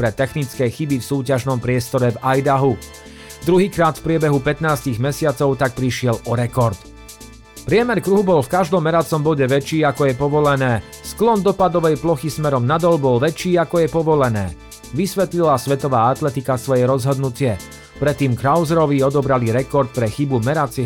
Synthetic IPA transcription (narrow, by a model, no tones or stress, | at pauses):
pɾɛt̪ɛxnit͡skɛːxibifsuːcaʒnɔmpɾɪɛst̪ɔɾɛvajd̪aɦu | d̪ɾuɦiːkɾaːt̪fpɾɪɛbɛɦupɛt̪naːsciɣmɛsɪat͡sɔʊt̪ak̚pɾiʃɪɛlɔɾɛkɔɾt̪ | pɾɪɛmɛɾkɾuɦubɔlfkaʒd̪ɔmːɛɾat͡sɔmbɔɟɛʋɛt͡ʃːiːakɔjɛpɔʋɔlɛnɛː | sklɔnd̪ɔpad̪ɔʋɛjplɔxismɛɾɔmnad̪ɔlbɔlʋɛt͡ʃːiːakɔjɛpɔʋɔlɛnɛ̰ː | ʋisʋɛt̪lilasʋɛt̪ɔʋaːat̪lɛt̪ikasʋɔjɛɾɔzɦɔd̪nucɪɛ | pɾɛt̪ːiːmkɾaʊzɾɔʋiɔd̪ɔbɾaliɾɛkɔɾt̪̚pɾɛxibumɛɾat͡sɛ